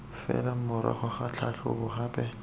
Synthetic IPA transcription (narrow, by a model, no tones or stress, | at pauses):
fɛ̰lam̩mʊɾɛ̰χɔχat͡ɬʰaɬʰʊbʊhaːpʼɛ